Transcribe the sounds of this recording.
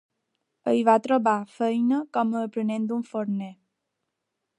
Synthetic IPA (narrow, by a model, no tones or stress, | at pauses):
əjβat̪ɾoβafəjnəkɔməːpɾənẽnd̪uɱfoɾnɛ